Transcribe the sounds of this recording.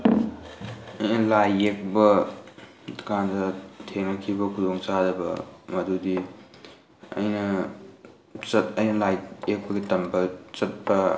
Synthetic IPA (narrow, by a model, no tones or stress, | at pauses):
ɐjnɐlajek̚bɐ | kʰandɐtʰeŋnɐkʰibɐkʰudoŋt͡ʃadɐbɐ̰mɐdudi | ɐ̰jnɐ | t͡ʃɐt̚ɐjnɐlajek̚bɐɡitɐmbɐt͡ʃɐt̚bɐ